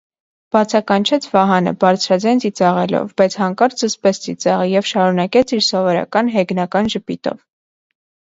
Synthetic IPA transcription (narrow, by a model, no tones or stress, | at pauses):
b̥ɑt͡sʰɑkɑnt͡ʃʰɛt͡sʰvɑɦɑnə̰bɑɾt͡sʰɾɑd͡zɑjnt͡sit͡sɑʁɛlɔ̰vbɑjt͡sʰhɑŋkɑɾd͡zəspɛt͡sʰt͡sit͡sɑʁəjɛvʃɑɾunɑkɛt͡sʰiɾsɔvɔɾɑ̰kɑnɦɛɡnɑkɑnʒəpit̪ɔ̰v